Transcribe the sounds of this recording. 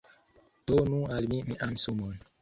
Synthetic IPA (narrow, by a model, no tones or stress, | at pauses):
d̥onualmimiʔansumon